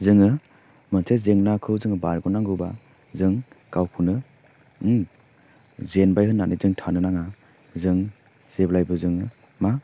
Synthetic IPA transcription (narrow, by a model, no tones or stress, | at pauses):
zɯŋɯ | mɯnsʰezeŋnakʰɯwzɯŋɯbaɾɡɔnaŋɡɯwba̰ | zɯŋ | kawkʰɯnɯ | zenbajɦɯnːanizɯŋtʰanɯnaŋa | zɯŋ | z̥eblajbɯzɯŋɯ | ma